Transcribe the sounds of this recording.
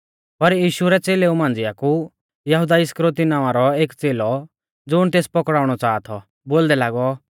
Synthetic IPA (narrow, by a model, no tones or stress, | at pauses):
pɐɾjiːʃuɾɛt͡seːleũmãːn̆d͡zɪaku | jɐɦud̪aɪskɾot̪inãːʋãɾɔeːkt͡seːlɔ | d͡zʊɽ̃t̪eːspɔkɽaːʊɽ̃ɔt͡saːt̪ʰɔ | boːld̪ɛlaːɡɔ